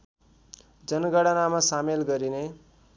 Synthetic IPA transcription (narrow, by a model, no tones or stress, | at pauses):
d͡zʌnɡʌɽʌnamasamelɡʌɾine